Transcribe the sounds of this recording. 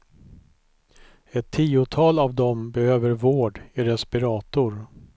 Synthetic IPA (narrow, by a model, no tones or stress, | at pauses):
ɛt̪ʰːiːʊt̪ʰɑːlavd̪ɔmbɛhøːvəɾvoːɖɪɾɛspɪɾɑːt̪ʊɾ